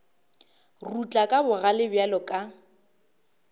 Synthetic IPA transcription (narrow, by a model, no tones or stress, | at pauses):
rut͡ɬʼakʼabʊɣalɪbjalɔkʼa